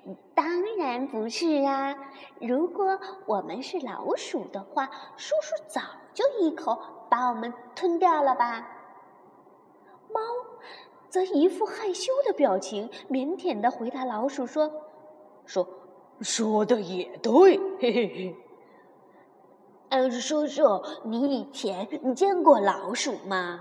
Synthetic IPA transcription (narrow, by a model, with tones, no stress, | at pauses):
t̪ɑ˥ŋɻa˧˥npu˧˥ʂɻ̩˥˩a˩ɻu˧˥kwɔ˨˧˩wɔ˨˩mə˦nʂɻ̩˥˩lɑ̰˧˥ʊʂu˨˩d̪ə˦xwa˥˩ʂu˥ʂu˥˩t͡sɑ˨˩ʊt͡ɕjo˥˧ʊi˥˩kʰo˧˥˦ʊpa˧˥wɔ˨˩mə˦nt̪ʰwə˥nt̪jɑ˥˩ʊlə˩ba˩ | mɑ˥ʊ | t͡sɤ˧˥i˧˥fu˥˧xa˥˩ɪɕjo˥ʊd̪ə˨pjɑ˨˩ʊt͡ɕʰi˧˥ŋmjɛ˧˥nt̪ʰjɛ˨˩nd̪ə˧˦xwe˧˥ɪt̪a˧˥lɑ˧˥ʊʂu˨˩ʂwɔ˥ | ʂwɔ˥ | ʂwɔ˥d̪ə˨˧jɛ˨˩t̪we˥˩ɪ˥˧ | a˥˧˩ʂwɔ˥ʈ͡ʂɤ˥˩ni˧˥i˨˩t͡ɕʰjɛ˧˥nn˨˩t͡ɕjɛ˥˧nkwɔ˥˩lɑ˧˥ʊʂu˨˩mɐ˦